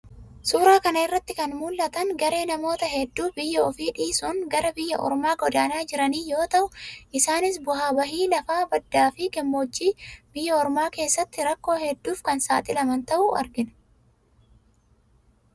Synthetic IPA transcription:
suːɾaːkɐnɐɪrːɐt̪ːɪkɐnmuːlːɐt̪ɐŋɡɐɾe̞ːnɐmo̞ːt̪ɐɦɛd̪ːuːbɪjːɐɔfiːᶑiːsuːŋɡɐɾɐbɪjːɐʔɔ̰ɾmaːɡɔd̪aːnaːd͡ʒɪɾɐniːjo̞ːt̪ɐʔʊʔɪsaːnɪs̬bʊɦaːbɐɦiːlɐfaːbɐd̪ːaːfikɛmːoːd͡ʒːiːb̥ɪjːɐɔɾmaːke̞ːsːɐt̪ːɪɾɐkːo̞ːhɛd̪ːuːfkɐnsaːt̪ʼɪlɐmɐnt̪ɐʔʊʔɐ̰ɾɡɪn

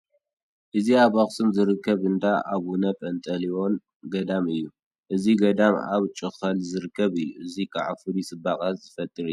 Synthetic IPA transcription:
ʔɨziaβaχsɨmzɨɾɨkʰːɐβɨnd̪aʔaβunɐpʼɐnt̪ʼɐliwo̞n | ɡɐd̪amɨjːu | ʔɨziɡɐd̪ama̰βt͡ʃʼɨxɐlzɨɾɨkʰːɐβɨjːuɨzikʰaʕa̰fɨɾisʼɨbaχʼazɨfɐt̪ʼːɨɾɨju

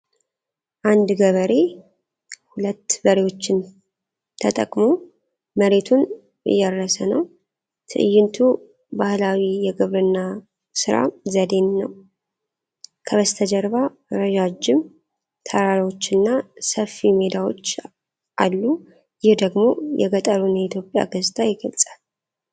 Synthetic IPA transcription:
ʔand̪ɡəβəɾe̞ | hulət̪ːbəɾewo̞t͡ʃːɪn | t̪ʰət̪ʼəkʼmo | məɾet̪ʰun | ɨ̰jːɛɾːəsənəw | t̪ʰɨ̰ʔɨjːɪnt̪ʰu | bahlawijɛɡɨβɾɨnːa | sɨɾa̰zəd̪e̞nːəw | kʰəβəst̪ʰəd͡ʒəɾβa | ɾəd͡ʒad͡ʒɪm | t̪ʰəɾaɾiwo̞t͡ʃːɨnːasəfːime̞d̪awot͡ʃː | ʔalːu | jɪhd̪əɡmo̞jɛ̰ɡət̪ʼəɾunjɛit̪ʰjo̞pʼja̰ɡəzt̪ʰʼajɪɡəlt͡sʼal

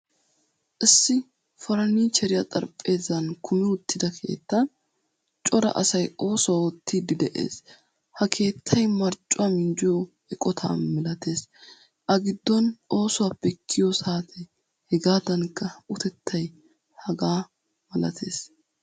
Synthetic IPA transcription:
ʔɪsːɪ | fɐɾɐniːt͡ʃɛɾɪjɐt̪ʼɐɾpʼːe̞ːzɐnkʰʊmɪʊt̪ʰːɪd̪ɐkʰe̞̰ːt̪ːɐn | t͡ʃʼɔɾɐ̰ʔɐ̰sɐjo̞ːsʊawɔt̪ʰːid̪ɪd̪ɛʔḛːs | hɐkʰe̞ːt̪ʰːɐjmɐɾt͡ʃʼʊamɪnd͡ʒʊjo | ɛkʼɔt̪ʰa̰ːmɛlɐt̪ʰe̞ːs | ʔɐɡɪd̪ːɔnʔo̞ːsʊwaːpːɛkʰːɪjɔsaːt̪ʰɛ | hɛɡaːd̪ɐnkːɐʊt̪ɛt̪ʰːɐj | hɐɡaː | mɐlɐ̰t̪ʰe̞̰ːs

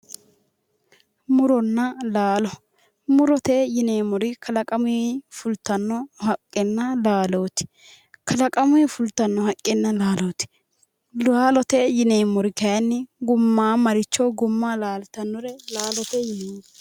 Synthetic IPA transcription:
mʊɾɔnːɐlaːlɔ | mʊɾɔt̪ejɪneːmɔɾɪkʰɐlɐkʼɐmʊifʊlt̪ɐnːɔhɐkʼːɛnːɐlaːloːt̪ɪ̥ | kʰɐlɐkʼɐmʊɛfʊlt̪ːɐnːɔhɐkʼːɛnːɐlaːloːt̪ɪ̥ | laːlɔt̪ɛjɪneːmɔɾɪkɐjɐnːɪɡʊmːaːmɐɾɪt͡ʃːɔɡʊmːaːlaːlt̪ɐnːɔɾɛlaːlɔt̪ɛjɪneːm

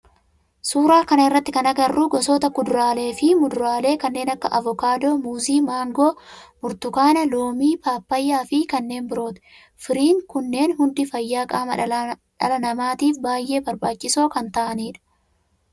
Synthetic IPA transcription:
suːɾaːkɐnɐɪrːɐt̪ːɪkɐnɐɡɐrːuːɡɔsoːt̪ɐkʊd̪ʊɾaːle̞ːfɪmʊd̪ʊɾaːle̞ːkɐnːe̞ːnɐkːɐʔɐvɔkaːd̪o̞ːmuːziːmaːŋɡoːmʊɾt̪ʊkaːnɐloːmiːpaːpːɐjːaːfɪkɐnːe̞ːnbɪɾo̞ːt̪ɪ̥ | fɪɾiːŋkʊnːe̞ːnɦʊnd̪ɪfɐjːaːkʼaːmɐɐᶑɐ̰lɐnɐmaːt̪iːfbaːjːe̞ːbɐɾbaːt͡ʃːɪso̞ːkɐnt̪ɐʔɐniːᶑɐ̥

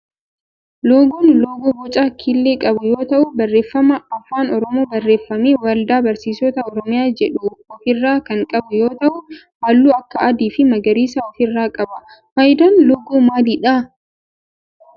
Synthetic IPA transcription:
loːɡoːnloːɡobɔt͡ʃʼaːkʰilːeːkʼɐbʊjo̞ːt̪ɐʔʊbɐrːe̞ːfːɐmɐɐfːaːnɔɾɔmoːbɐrːe̞ːfːɐmeːwɐld̪aːbɐɾsiːsɔt̪ɐɔɾɔmɪjaːd͡ʒɛᶑuɔfɪrːaːkɐŋkʼɐbʊjo̞ːt̪ɐʔʊ | hɐːlːuːɐkːɐɐd̪iːfɪmɐɡɐɾiːsaɔfɪrːaːkʼɐbɐ | fɐjɪd̪aːnloːɡoːmaːliːᶑa

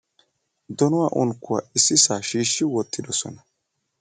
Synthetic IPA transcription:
d̪ɔnʊwaːʔʊnkːʊwa̰ʔɪsːɪsaːʃiːʃːɪwɔt̪ʰːɪd̪ɔsɔ̰nɐ

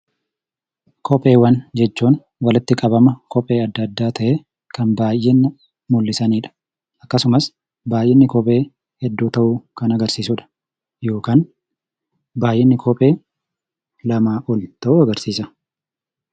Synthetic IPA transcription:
kʰɔpʼe̞ːwɐnd͡ʒɛt͡ʃːuːn | wɐlɪt̪ːɪkʼɐbɐmɐkɔpʼːe̞ːɐd̪ːɐd̪ːaːt̪ʰɐʔeː | kɐnbaːjːɛnː | mʊlːɪsɐniːᶑɐ̥ | ʔɐkːɐsʊmɐs | baːjʔɪnːɪkɔpʼe̞ː | hɛd̪ːuːt̪ɐʔuːkɐnɐɡɐɾsiːsʊᶑɐ̥ | jo̞ːkaːn | baːjʔɪnːɪkʰɔpʼe̞ː | lɐmaːʔɔlt̪ɐʔuːɐɡɐɾsiːsɐ

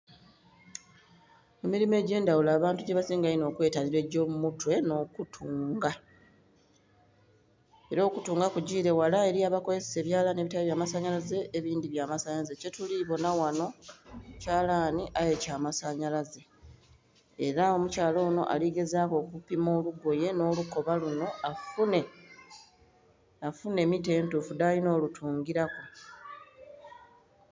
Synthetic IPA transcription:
emiɾime̞ːɟe̞ːndawulaːβaːntuɟe̞βasiːŋɡajino̞ːkwe̞ːtaniɾe̞ɟo̞ːmumutwe̞no̞ːkutʰuːŋɡa | e̞ɾo̞ːkutuːŋɡakuɟiːɾe̞walae̞ɾiaβako̞ze̞sse̞βjaːlaneβitaβeβjaːmasaɲalaze̞ʔeβiːndiβjaːmasaɲazece̞tuliβo̞nawano̞caːlaːniʔaje̞caːmasaɲalaze̞ | ɾao̞mucaːlo̞ːno̞̰ʔa̰liɡe̞zaːko̞ːkupimo̞ːluɡo̞je̞no̞ːluko̞βaluno̞afune | afune̞ːmite̞ːntufudalino̞ːlutʰuːŋɡiɾako

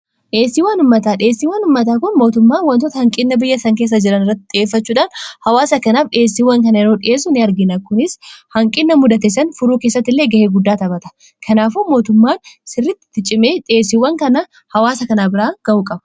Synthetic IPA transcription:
ᶑe̞ːsːiːwɐnʊmːɐt̪aːᶑɪe̞ːsːiːwɐnʊmːɐt̪aːkʊnmo̞ːt̪ʊmːaːnwɐnt̪oːt̪ɐhɐŋkʼɪnːɐbɪjːɐsɐŋkeːs̬ːɐd͡ʒɪɾɐnɪrːɐt̪ːɪ̥ᶑɪeːfːɐt͡ʃːuːᶑaːnhɐwaːsɐkɐnaːfᶑe̞ːsːiːwːɐŋkɐnɐɪɾo̞ːᶑɪʔeːs̬ʊnɛɐɾɡɪnɐkʊnɪshɐŋkʼɪnːɐmʊd̪ɐt̪ɛsɐnfʊɾuːkeːsːɐt̪ːɪlːeːɡɐheːɡʊd̪ːaːt̪ɐbɐt̪ɐ̥ | kʰɐnaːfuːmo̞ːt̪ʊmːaːnsɪrːɪt̪ːɪ̥t̪ɪt͡ʃʼɪme̞ːᶑɪeːsɪwːɐŋkɐnɐ | hɐwaːsɐkɐnaːbɪɾaːɡ̥ɐʔuːkʼɐbɐ̥

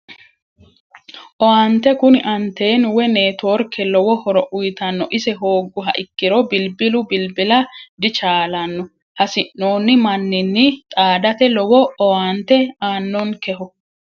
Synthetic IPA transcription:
ʔɔwaːnt̪ɛkʊnɪʔɐnt̪e̞ːnwɛne̞ːt̪o̞ːɾkʰːɛlɔwɔhɔɾɔʔʊjt̪ɐnːɔʔɪsɛɦo̞ːɡːʊɦɐ̰ʔɪkːɪɾɔbɪlbɪlʊbɪlbɪlɐd̪ɪt͡ʃaːlɐnːɔ | hɐsɪnːo̞ːnːɪmɐnːɪnːɪt̪ʼaːd̪ɐt̪ɛlɔwɔɔwaːnt̪ɛaːnːɔnkɛhʊ

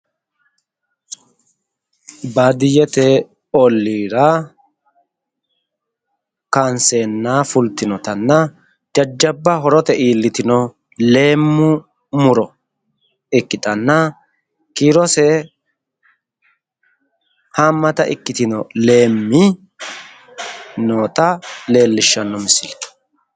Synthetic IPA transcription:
baːd̪ɪjɛt̪ɛ | ɔlːiːɾɐ | kaːnseːnːaːfʊlt̪ɪnɔt̪ɐnːɐ | d͡ʒɐd͡ʒːɐbːɐɦɔɾɔt̪ɛiːlːɪt̪ɪnɔ | le̞ːmːʊ | mʊɾɔ | ɪkːɪt̪ɐnːɐ | kiːɾɔsɛ | haːmːɐt̪ɐʔɪ̰kːɪt̪ɪnɔle̞ːmːɪ | noːt̪ʼɐle̞ːlːɪʃːɐnːɔmɪsɪl̥

